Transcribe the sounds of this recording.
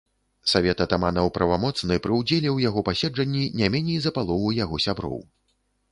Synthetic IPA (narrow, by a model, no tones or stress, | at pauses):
savʲɛt̪ɐt̪amanɐwpɾɐvamɔt̪snɨpɾɨwd͡zʲelʲɛwjaɣɔpasʲɛd͡ʐɐnʲːinʲamʲɛnʲɛjzɐpalˠɔvujaɣɔsʲabɾɔ̰w